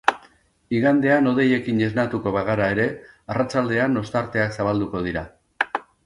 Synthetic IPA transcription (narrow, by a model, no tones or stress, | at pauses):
iɣand̪e̞ano̞ð̞e̞je̞kine̞znat̪uko̞βaɣ̞aɾae̞ɾe̞arat͡ʃald̪e̞ano̞st̪aɾt̪e̞aksaβald̪uko̞ð̞iɾa